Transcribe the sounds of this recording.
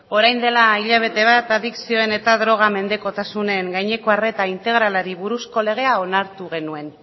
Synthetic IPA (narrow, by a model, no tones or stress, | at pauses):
o̞ɾajnd̪e̞laiʎaβ̞e̞t̪e̞βat̪aðiksio̞e̞ne̞t̪aðɾo̞ɣ̞ame̞nd̪e̞ko̞t̪asune̞ŋɡajɲe̞ko̞are̞t̪aint̪e̞ɣɾalaɾiβuɾusko̞le̞ɣ̞e̞ao̞naɾt̪uɣ̞e̞nue̞n